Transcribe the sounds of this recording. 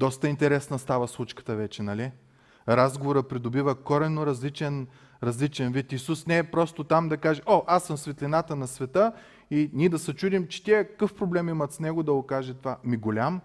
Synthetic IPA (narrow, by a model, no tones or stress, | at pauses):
d̪ɔst̪əint̪ɛɾɛsnɐst̪avəslˠut͡ʃkə̥t̪əvɛt͡ʃɛnɐlʲi | ɾazɡovoɾəpɾid̪obivəkɔɾɛnoɾɐzlit͡ʃɛn | ɾɐzlit͡ʃɛnvit̪isusnɛːpɾɔst̪ot̪amd̪ɐkaʒɛʔoʔasːəmsvɛt̪lʲinat̪ənɐsvɛt̪ə | inʲiɛd̪ɐsɐt͡ʃud̪imt͡ʃɛ̥t̪ʲiɛkɐ̥kɤfpɾoblɛmimɐt̪snɛɡod̪ɐɡokaʒɛt̪vamiɡolʲam